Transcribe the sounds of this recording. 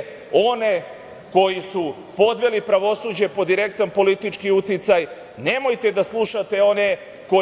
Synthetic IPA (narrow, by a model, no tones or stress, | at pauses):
o̞ne | ko̞jisu | po̞d̪ʋe̞lipɾaʋo̞suːd͡ʑe̞po̞d̪iɾe̞kt̪anpo̞lit̪it͡ʃkiut̪it̪saj | ne̞mo̞jt̪e̞d̪aslˠuʃat̪e̞o̞ne̞ | ko̞